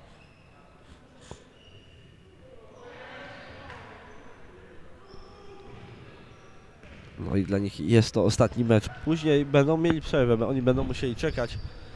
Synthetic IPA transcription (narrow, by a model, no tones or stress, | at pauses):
nɔ̰id̪laɲixjɛst̪ːɔɔst̪at̪ɲimɛt͡ʂpuʑɲejbɛnd̪ɔ̃w̃mʲjelʲipʂɛɾvɛbɔɲibɛnd̪ɔ̃w̃muɕelʲit͡ʂɛkat͡ɕ